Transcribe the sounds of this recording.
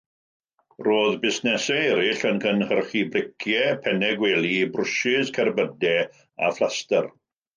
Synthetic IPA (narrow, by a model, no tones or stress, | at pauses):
roːðbɪsnɛsɛɛɾɪɬənkʰənhərχibrɪkʰjɛpʰɛnɛɡwɛːlˠibrʊʃɪskʰɛrbədɛ | a̰flˠastər